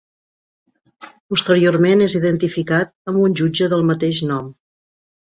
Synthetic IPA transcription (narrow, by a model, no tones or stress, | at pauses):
pust̪əɾioɾmeneziðənt̪ifikat̪̚əmbunʲʒud͡ʒəðəlˠmət̪eʃnɔm